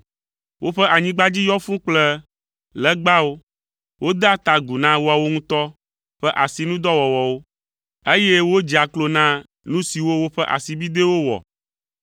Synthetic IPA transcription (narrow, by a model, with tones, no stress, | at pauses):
wʔo˦ɸɛ˦ʔa˨ɲĩ˦ɡ͡ba˦d͡ʑi˦jɔ˦fũ˦k͡plɛ˦ | lɛ˦ɡ͡ba˦wo˦ | wo˦d̪a˦t̪a˨ɡu˨nã˦wo˦a˨wo˦ŋũ˦t̪ɔ˦ | ɸɛ˦ʔa˨si˨nũ˦d̪ɔ˦wɔ˨wɔ˨wo˦ | e˦je˦wo˦d͡ʒi˨a˨klo˦nã˦ | nũ˦si˨wo˦wo˦ɸɛ˦ʔa̰˨si˨bi˦d̪e˦wo˦wɔ̰˨